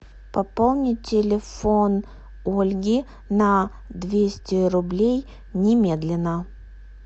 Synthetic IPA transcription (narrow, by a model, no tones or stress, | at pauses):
pɐpolˠnʲɪtʲɪlʲɪfon | olʲɡʲɪ | nɐ | d̪vʲesʲtʲɪɾʊblʲej | nʲɪmʲe̞d̪lʲɪnə